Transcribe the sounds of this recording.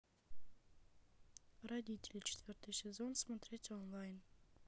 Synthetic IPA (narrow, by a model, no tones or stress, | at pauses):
rɐdʲitʲɪlʲt͡ʃʰɪ̥t̪vʲiɾt̪isʲɪzonsmat̪ɾʲetʲonlˠajn